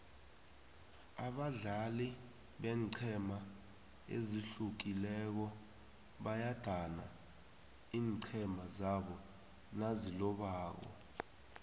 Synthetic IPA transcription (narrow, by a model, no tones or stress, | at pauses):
aɓaɮali | ɓɛːǀʰɛma | ḛziɬuk̬ilɛk̬ɔ | ɓajad̥ʱana̰ | iːŋǀʰɛmazaɓɔ | nazilɔɓaːk̬ɔ̰